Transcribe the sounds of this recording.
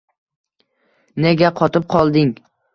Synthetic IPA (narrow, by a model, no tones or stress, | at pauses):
neɡʲaqʰɒt̪ɪp̚qʰɒlˠd̪ɪŋ